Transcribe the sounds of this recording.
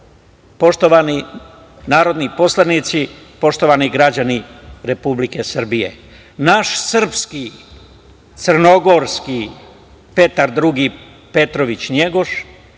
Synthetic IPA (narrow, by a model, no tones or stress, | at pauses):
po̞ʃt̪oʋani | naːɾo̞d̪nipo̞slˠanit̪sipo̞ʃt̪o̞ʋaniɡɾad͡ʑaniɾe̞publikesr̩bije̞̰ | naʃsr̩pski | t̪sər̩no̞ɡoɾski | pe̞t̪aɾd̪ɾuɡi | pet̪ɾoʋit͡ɕɲe̞ɡo̞ʃ